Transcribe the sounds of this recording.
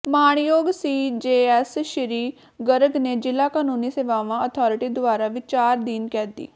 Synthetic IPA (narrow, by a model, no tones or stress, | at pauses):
maːɳ̃joːɡsiːd͡ʒeːɛːsʃɪɾiː | ɡəɾəɡneːd͡ʒɪlaːkaːnuːniːseːʋaːʋãːət̪ʰɔːɾɪʈiːd̪ʊaːɾaːʋɪt͡ʃaːɾd̪iːnkɛːt̪ḭː